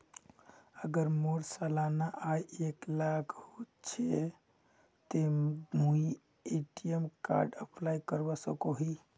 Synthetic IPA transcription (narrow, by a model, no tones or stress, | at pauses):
əɡəɾmoɽsalanaʔajeklakʰho | t͡ʃʰe | t̪emui | eʈiemka̰ɾɖəpʰlajkəɾbɔsə̰koɦi